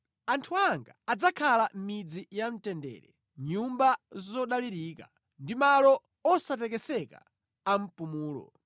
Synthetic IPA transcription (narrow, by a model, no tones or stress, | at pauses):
antʰuaŋɡaːd͡zakʰalam̩mid͡zijam̩tɛndɛ̰ɾɛ | ɲumbazzɔɗaliɾiːka | ndimalɔ | ɔsatɛkɛsɛka̰ | am̩pumuːlɔ̰